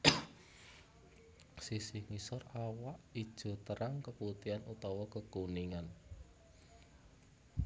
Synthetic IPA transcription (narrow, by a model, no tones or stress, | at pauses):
sisihŋisɔrawaʔid̥ʒ̥ɔ̤t̪əɾaŋkəput̪ianut̪ɔwɔkəkuniŋan